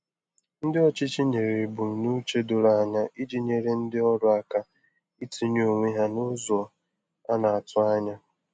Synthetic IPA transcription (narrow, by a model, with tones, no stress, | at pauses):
n̩˦dɪ˦ɔ˦t͡ʃi˦t͡ʃi˦ɲe˨ɾe˨bu˨n̩˨nu˦t͡ʃe˦dʊ˨la˨a˨ɲa˦ʔi˦d͡ʒi˦ɲe˨ɾe˨n̩˦dɪ˦ɔ˦ɾʊ˦a˨ka˨ | i˦ti˨˦ɲ˦o˨ŋʷe˦ɦa˦nʊ˦zɔ˨ | a˦na˨a˨tʊ˦a˦ɲa˦